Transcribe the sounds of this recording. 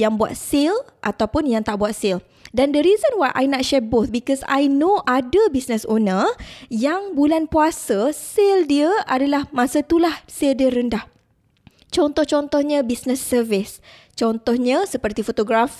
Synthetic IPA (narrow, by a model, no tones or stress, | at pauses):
jaŋbua̰t̪̚selʔa̰t̪awpʊnjaŋt̪aʔbuat̪̚sɪl | dandəɾizənwajʔa̰jnat̪̚ʃɛd̚boθbikɔsa̰jnoʔadəbisnəsonəjaŋbulanpuasəseldiəʔadalahmãsət̪ulahseldiəɾəndah | t͡ʃɔnt̪ɔht͡ʃɔnt̪ɔhɲãbisnəsːəvɪs | t͡ʃɔnt̪ɔhɲãsəpərt̪ifot̪oɡɾaf